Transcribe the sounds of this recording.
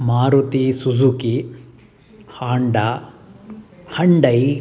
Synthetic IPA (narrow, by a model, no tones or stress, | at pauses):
maːɾut̪isud͡ʒuki | haːɳɖa | hɐɳɖɐj